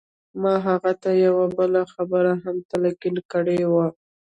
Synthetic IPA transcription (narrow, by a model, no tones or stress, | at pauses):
mɑɦaɣat̪ajawabəlaxabəɾaɦamt̪alaɡilkəɽewa